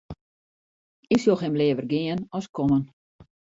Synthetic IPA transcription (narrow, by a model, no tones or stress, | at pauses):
ɪksjoxɪmleːəvərɡɪənɔskʰɔmən